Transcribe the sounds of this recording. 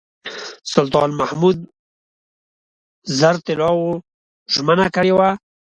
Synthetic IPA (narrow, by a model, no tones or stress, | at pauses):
sʊlt̪ɑnmahmud̪̚ | zaɾt̪ɪlɑwo | ʒmənakəɽewa